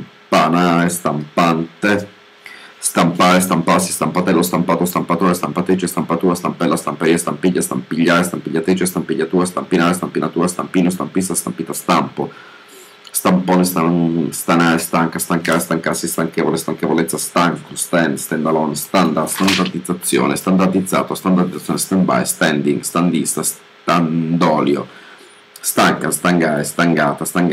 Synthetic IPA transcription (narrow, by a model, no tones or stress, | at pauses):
panaɾest̪ampant̪e | st̪ampaːɾest̪ampasi̥st̪ampat̪ɛlːost̪ampaːt̪ost̪ampat̪oːɾest̪ampat̪ɾiːt͡ʃest̪ampat̪uːɾast̪ampɛlːast̪ampeɾiːast̪ampiʎːast̪ampiʎːaːɾest̪ampiʎːat̪ɾiːt͡ʃest̪ampiʎːat̪uːɾast̪ampinaːɾest̪ampinat̪uːɾast̪ampiːnost̪ampist̪ast̪ampiːt̪ast̪ampo | st̪ampoːnest̪ast̪anaːɾest̪aŋkast̪aŋkaɾest̪aŋkasːist̪aŋkevolest̪aŋkevolɛt̪sːast̪aŋkost̪ɛnst̪ɛnd̪alonst̪and̪aɾst̪and̪ard̪id̪zːat̪sːjo̰ːnest̪and̪ard̪id̪zːa̰ːt̪oast̪and̪aɾd̪id̪zːajoːnest̪ɛmba̰jst̪ɛnd̪iŋɡst̪and̪ist̪as | t̪and̪ɔːljo̰ | st̪aŋkast̪aŋɡaːɾest̪aŋɡaːt̪ast̪aŋɡ